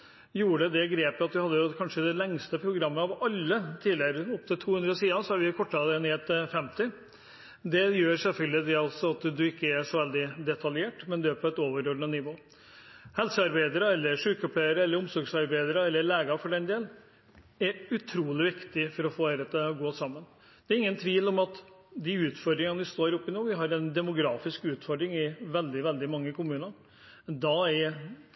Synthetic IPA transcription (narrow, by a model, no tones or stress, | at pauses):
juːɖəd̪ɛɡɾeːpəɑt̪ʋɪhɑd̪ːəjʊkʰɑnʂəd̪ɛlɛŋst̪əpʰɾʊɡɾɑmːəɑʋɑlːət̪ʰiːlɪəɾəɔp̚t̪ʰɪt̪ʰːuːhʉnd̪ɾəsiːɑsɔɑɾʋɪkʰɔʈːɑlɛneːt̪fɛmt̪ɪ | d̪ɛjøːɾsɛfœld̪ɪd̪ɛɔlsɔɑt̪d̪ʉɪkːəæʂɔʋɛld̪ɪd̪ɛt̪ʰɑljeːʈmɛnd̪ʉæːɾpʰɔɛt̪oːʋəɾoːɖ̪nənɪʋoː | hɛlsəɑɾbæɪd̪əɾəɛlːəɾʂʉːkəɔpʰleɪəɾəɛlːəɾʊmsɔɾɡsɑɾbæɪd̪əɾəɛlːəɭeːɡɑfɔɖɛnd̪eːln | æɾʉt̪ʰɾuːlɪʋɪkt̪ɪfɔɾɔfoːæɾət̪əɡoːsɑmːən | d̪̥ɛæɾɪŋːənt̪ʰʋiːlɔmɑt̪ | d̪ɪʉːt̪fɔɾɖ̪ɾɪŋənʋɪst̪oːɾʊpːɪnoːʋɪɦɑɾɛnd̪ɛmʊɡɾɑːfɪskʉːt̪fɔɖ̪ɾɪŋɪʋɛld̪ɪʋɛld̪ɪmɑŋːəkʰʊmʉːnəɾ | d̪ɑæ